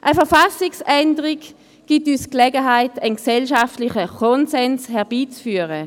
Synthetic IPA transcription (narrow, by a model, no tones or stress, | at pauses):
ʔəfɛʁfasɪksɛndəʁik | ɡ̥ityːsklɛɡəɦaɪtənksɛlʃaftlɪχəkʰɔnsɛnshɛʁb̥iːt͡sfyːəʁə